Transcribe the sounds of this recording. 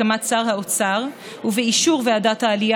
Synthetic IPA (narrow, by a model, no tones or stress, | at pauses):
amat͡saʁɦaot͡saʁ | uveiʃuʁveadat̪haːlia